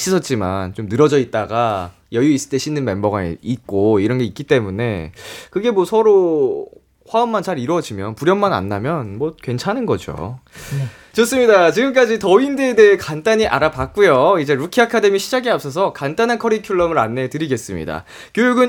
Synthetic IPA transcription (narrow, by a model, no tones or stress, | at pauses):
ɕ͈ʰisʰʌt̚t͡ɕ͈ima̰nt͡ɕomnɯɾʌd͡ʑʌit̚t͈aɡa | jʌjuis͈ɯ̥t͈eɕʰinːɯnme̞mbʌɡa̰it̚k͈oiɾʌnɡe̞itk͈it͈e̞mune̞kɯɡe̞mwʌsʰʌɾo | ɸwaɯmːant͡ɕaɾiɾwʌd͡ʑimjʌnpuɾjʌmːana̰nːamjʌnmʌkwe̞nt͡ɕʰanɯnɡʌd͡ʑo̰ | t͡ɕʰʌs͈ɯmɲidat͡ɕiɡɯmk͈ad͡ʑitʌindeːdeekant͈aɲiʔaɾapak̚k͈ujoid͡ʑe̞ɾukʰiakʰade̞miɕʰid͡ʑaɡiap̚s͈ʌs̬ʰʌkant͈anɦankʰʌɾikʰjuɭːʌmɯɾanːe̞tɯɾiɡe̞s͈ɯmɲḭda̰ | kjojuɡɯn